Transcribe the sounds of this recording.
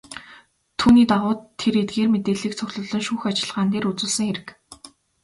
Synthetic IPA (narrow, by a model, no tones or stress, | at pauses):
t̪ʰuːniːt̪aʁʊːt̪ʰːeɾet̪̚ɡeːrmet̪eːɮiːk̚t͡sʰʊxɮɵ̆ɮɮɞ̆nʃuːxat͡ɕɪ̆ɮʁaːnt̪eːɾut͡suːɮsə̆ŋxeɾɘ̆k